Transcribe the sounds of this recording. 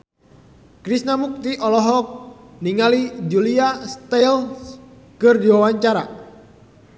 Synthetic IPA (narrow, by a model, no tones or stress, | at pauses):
kɾisnamuk̚t̪iʔɔlɔɦɔk̚niŋalid͡ʒuliast̪ɛl | kɨrdiwawaɲt͡ʃaɾa̰